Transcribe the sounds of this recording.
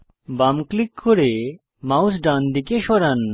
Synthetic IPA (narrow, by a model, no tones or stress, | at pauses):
bamklikʰːoɾe | mawsɖand̪ikeʃɔɾan